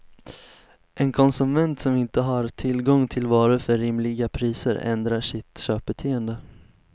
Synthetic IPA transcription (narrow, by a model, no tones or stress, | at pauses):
ʔɛnkʰɔnsɵmɛnt̪sɔmɪnt̪əɦaɾt̪ʰɪlɡɔŋt̪ʰɪlvɑːɾəfœɾːɪmlɪɡapʰɾiːsə̰ɾɛ̰nd̪ɾaʂɪt̪ɕøːp̚bɛt̪ʰeːənd̪ə